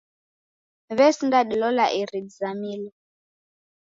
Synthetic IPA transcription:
βɛsindaɗilɔlaʔiɾidzamiːlɔ

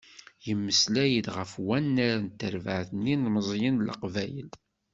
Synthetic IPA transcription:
jəmːəslæjəd̪ʁəfwænːaɾant̪ːəɾvəʕθənːinməzˤjənlə̰qvæjə̰l

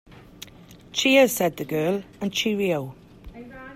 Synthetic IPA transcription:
t͡ʃʰiːə̥sɛd̪̚ðəɡɜːlə̃nt͡ʃʰiɹioʊ

